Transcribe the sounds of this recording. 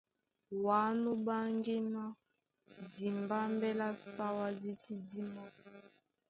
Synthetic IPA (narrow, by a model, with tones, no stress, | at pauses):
wa˨˦nu˦ba˦ŋɡi˦na˦ | di˨mba˦mbɛ˦la˦sa˦wa˦di˦si˦di˦mɔ˦